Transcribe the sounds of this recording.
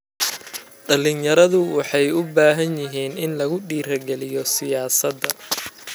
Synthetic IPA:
ɖɐlɪnjɐɾɐðʊwɑħɑjʊbaːɦɐnjɪɦiːnɪnlɐɣʊɖiːɾɐɡɛlɪjɔsɪjaːsɐd̪ːɐ

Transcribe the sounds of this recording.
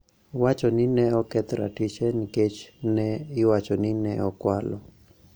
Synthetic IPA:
wat͡ʃɔnɪnɛɔkɛt̪ɾa̰tit͡ʃɛniket͡ʃnɛɪwat͡ʃɔnɪnɛɔkwa̰lɔ

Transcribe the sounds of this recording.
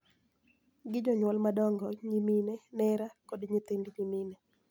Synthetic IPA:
ɡɪd͡ʒɔɲwɔlmadɔŋɡɔɲiminɛnɛɾakodɲɪt̪endɲimine

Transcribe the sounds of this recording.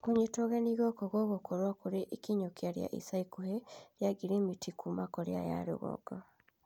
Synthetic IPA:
koɲetoɣeniɣɔkɔɣɔɣokoɾwakuɾeʔikiɲokiaɾja̰ʔḭsaikuheɾjaɡiɾimitʰikʰumakoɾj̰a̰ja̰ɾḛɣɔ̰ɡ̥a

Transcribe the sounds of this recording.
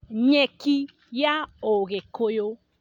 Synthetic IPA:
ɲɛki | jaoɣekojo

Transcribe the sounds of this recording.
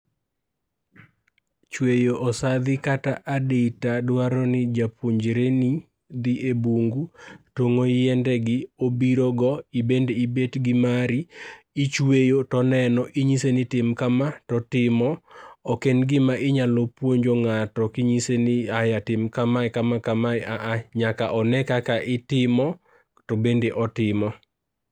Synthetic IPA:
t͡ʃwejoʔɔsad̪ɪkataʔadeitadwaɾɔnɪd͡ʒapwoɲd͡ʒeɾeni | d̪iʔebuŋɡutoŋojɛndɛɡɪobiɾɔɡɔibendeibetɡɪmaɾi | it͡ʃwejotɔnɛnɔʔiɲisenɪtɪmkamatɔtɪmɔɔkenɡɪmaʔɪɲalopwoɲd͡ʒoŋatɔkiɲisenɪajatɪmkamaɛkamakamaaʔaɲakaʔɔnɛkakaʔɪtɪmɔ | tɔbendeʔɔtɪmɔ

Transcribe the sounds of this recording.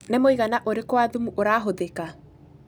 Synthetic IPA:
nemoiɣanaʔoɾekwaðumuʔoɾaːɦoðeka

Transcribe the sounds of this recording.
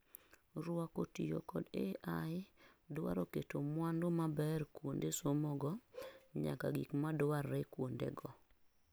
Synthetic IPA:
ɾʊakotijo̰kɔdeʔaɪdwa̰ɾoketomwandomabɛrkwondesomɔɡɔɲa̰kaɡikmadwarːekwondḛɡɔ

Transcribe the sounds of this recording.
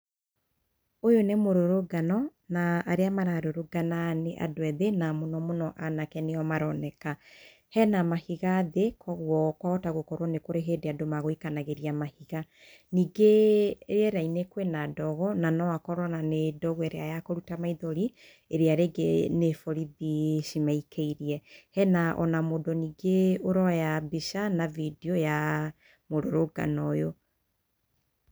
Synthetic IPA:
ojonemoɾoɾoɡanɔnaːɾeamaɾaɾoɾoɡananeʔa̰doɛðenamonɔmonɔʔanakɛneɔmaɾɔnɛka | hɛnamahiɣaðekʰɔɣwɔkwaɔtaɣokɔɾwɔnekoɾeɦeːdeadomaɣoikanaɣeɾiamahiɣa | niːɡeɾeɛɾainekwenadɔɣɔnanɔakɔɾɔnanedɔɣwɛɾeajakoɾutamaiðɔɾi | eɾeaɾeɡenefɔɾiðiʃimaikʰeiɾiɛhɛnaʔɔ̰namodoniːɡeoɾɔjabiʃanavideɔja | moɾoɾoɡa̰nɔjo

